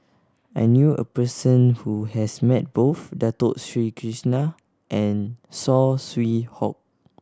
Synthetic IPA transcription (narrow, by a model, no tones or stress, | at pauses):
ajnjuə̰pəsə̃nhuhɛsmɛt̚b̥ofdatotsɹikʰɹisna | ʔɛ̃nsɔswihɔ̰k̚